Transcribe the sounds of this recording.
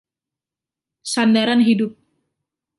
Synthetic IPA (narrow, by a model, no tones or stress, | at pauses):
sandaɾanɦidʊp̚